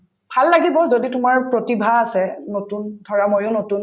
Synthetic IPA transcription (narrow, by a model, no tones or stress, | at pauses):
bʱalːaɡibɔzoditʊmaɹpɹotibʱaːsɛnotundʱɔɹamojʊnotun